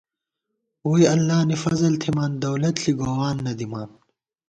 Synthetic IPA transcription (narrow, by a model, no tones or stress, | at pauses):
woːjɐlːaːnifɐzɐlt̪ʰimaːnd̪ɐwlɐt̪liɡoːwaːnːɐd̪imaːn